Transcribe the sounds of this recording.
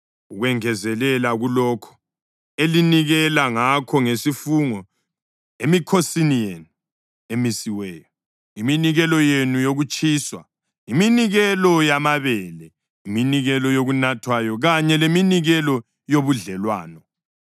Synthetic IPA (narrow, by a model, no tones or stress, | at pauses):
uɣwɛŋɛzɛlɛlaɣulɔkʰɔ̥ | eliniɣɛlaŋakʰɔŋesifuŋɔ | emikʰosinijenu | emisiwɛːjɔ | iminiɣɛlɔjenujoɣut͡ʃʼʰiːswa̰ | iminiɣɛlɔjamaβɛlɛ | iminiɣɛlɔjoɣunatʰwajɔɣaɲɛleminiɣɛlɔ | joβuɮɛlwaːnɔ